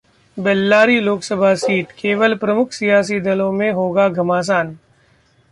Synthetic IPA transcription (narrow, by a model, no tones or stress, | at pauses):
bɛlːaːɾiloːksəbʱasiːʈkeːʋəlpɾɐmʊkʰsijaːs̬id̪ɐlõmẽɦoːɡaɡʱɐmaːs̬aːn